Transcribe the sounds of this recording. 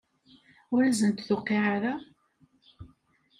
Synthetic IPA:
ʊɾæzənt̪θʊqːiʕaɾa

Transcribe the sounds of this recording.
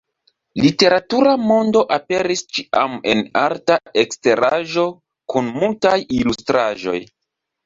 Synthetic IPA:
lite̞ɾatuɾamo̞ndo̞ʔape̞ɾist͡ʃiʔa̰me̞naɾtaekste̞ɾaʒo̞ | kunmultajilustɾaʒo̞̰j

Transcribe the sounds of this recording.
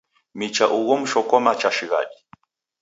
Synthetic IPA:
mit͡ʃaʔuɣɔm̩ʃɔkɔmat͡ʃaʃiɣa̰ɗi

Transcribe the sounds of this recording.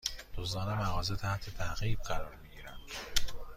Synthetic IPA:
d̪̥ozd̪ɒːnemæɣɒːzet̪ʰæht̪ʰe̞t̪ʰæɣiːb̚ɢæɾɒːɾmiɟiːɾænd̪̥

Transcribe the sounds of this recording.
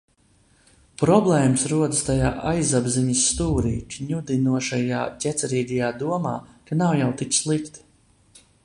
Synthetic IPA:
pɾɔblˠɛːmɨsɾuɔd̪ɨst̪ajaːʔajzabziɲisːt̪uːɾiːkɲud̪inuɔʃaja̰ːcʲɛt̪sɛɾiːɡ̪ʲajaːd̪uɔmaːkanawjawt̪it̪ʲslˠikt̪

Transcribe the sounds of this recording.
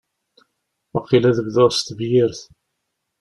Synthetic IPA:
ɑqːilæðəɡðoɾst̪vjɪɾθ

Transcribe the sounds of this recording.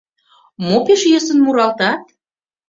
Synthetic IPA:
mopeʃjɤsə̆nmuɾɑlt̪ɑt̪̚

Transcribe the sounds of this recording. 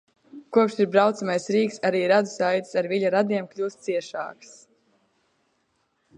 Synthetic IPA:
kuɔpʃiɾbɾawt̪samajsɾiːksaɾiːɾad̪u̥sajt̪saɾviʎʲaɾad̪iɛmklʲuːst̪siɛʃa̰ːks

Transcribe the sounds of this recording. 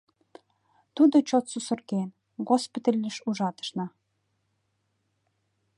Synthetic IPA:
t̪ud̪ot͡ɕot̪susə̆rken | ɡospit̪əlʲːə̆ʃuʒɑt̪ə̥ʃnɑ

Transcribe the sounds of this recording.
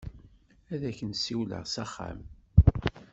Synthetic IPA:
æðæçənsiwlə̰ʁsæχːa̰m

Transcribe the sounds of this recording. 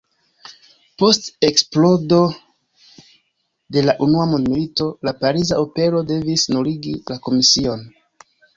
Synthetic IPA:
po̞ste̞ksplo̞do̞ | de̞laʔunuamondmilito̞lapaɾizaope̞ɾo̞de̞visnoɾiɡilako̞misio̞n

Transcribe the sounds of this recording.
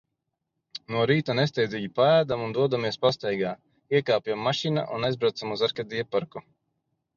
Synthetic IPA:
nuɔɾiːt̪anɛsʲt̪ɛjd̪ziɡʲipaæːd̪amund̪uɔd̪amiɛspast̪ɛjɡaː | iɛkaːpjamːaʃina̰ʔṵnajzbɾawt̪samuzaɾkad̪iɛpaɾku

